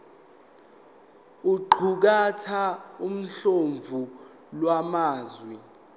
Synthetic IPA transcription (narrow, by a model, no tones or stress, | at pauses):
uǃʰuk̬atʰaum̩ɬoɱvʱu | lwamaːzwi